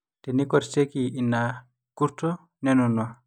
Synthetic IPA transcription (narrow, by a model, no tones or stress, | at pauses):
tɛnikɔɾsekiinːa | kuɾtɔ | nenunwa